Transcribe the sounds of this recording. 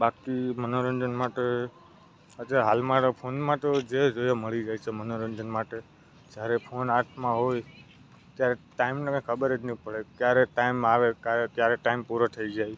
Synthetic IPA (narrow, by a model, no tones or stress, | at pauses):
bakimənoɾə̃nd͡ʒənmaʈe | ət̪jaɦalmãpʰonmãt̪od͡ʒed͡ʒojoməɭid͡ʒajt͡ʃʰemənoɾə̃nd͡ʒənmaʈe | d͡ʒjaɾepʰonaɾʈʰmãɦoj | t̪jaɾeʈaimnekãkʰəbəɾed͡ʒnĩpəɭekjaɾeʈaimaʋekaɾekjaɾeʈaimpuɾat̪ʰəid͡ʒaj